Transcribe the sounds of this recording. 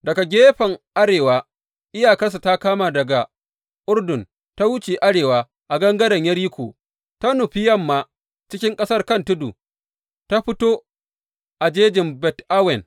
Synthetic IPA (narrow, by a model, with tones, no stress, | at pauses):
dɐ˨ɡa˨ɡʲeː˦ɸɐ˨ŋʔa˦ɽeː˨waː˦ | ʔɪ˦jaː˨kɐ˦rs̬a˨ta˦kaː˦maː˨dɐ˨ɡa˨ | ʔʊ˦rdʊ˨n | ta˦wʊ˦t͡ʃeː˨ʔa˦ɽeː˨waː˦ | ʔa˨ɡɐ˦ŋɡɐ˦dɐ˨ɲjɐ˦ɾji˦kʷo̰ː˨ | ta˦nʊ˨ɸɪ˦jɐ˦mːaː˦ | t͡ʃɪ˦kʲɪ˦ŋkʼɐ˦sɐ˦rkɐ˦ntʊ˦dṵ˨ | ta˦ɸɪ˦toː˦ | ʔa˨d͡ʒeː˦d͡ʒɪ˨mbɛ˨tʔa˦wɛ˨n